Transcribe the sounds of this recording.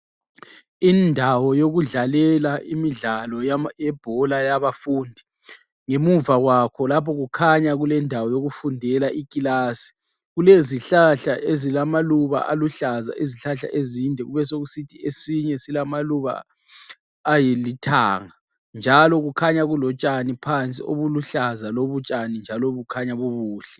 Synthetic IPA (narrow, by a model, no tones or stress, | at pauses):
indʱawɔjoɣuɮalɛlaʔḭmiɮalɔjjɛb̥ʱɔlajaβafuːndʱi | ŋemuvaɣwakʰɔlapʰɔɣukʰaɲaɣulɛndʱawɔjoɣufundʱɛlaʔikʼilaːsi̥ | ɣuleziɬaɬaʔezilamaluβa̰ʔa̰luɬaza̰ʔeziɬaɬa̰ʔezindʱɛɣuβɛsoɣusitʰiesiɲɛsilamaluβa̰ | jilitʰa̰ːŋa | nd͡ʒʱalɔɣukʰaɲaɣulɔt͡ʃʼanipʰant͡sʼḭoβuluɬazaloβut͡ʃʼanind͡ʒʱalɔβukʰaɲaβoβuːɬɛ